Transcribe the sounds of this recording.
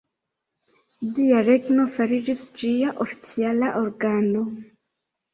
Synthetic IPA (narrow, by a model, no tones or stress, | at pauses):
diaɾe̞ɡno̞faɾid͡ʒisd͡ʒiaʔofi̥t͡sialaʔoɾɡano̞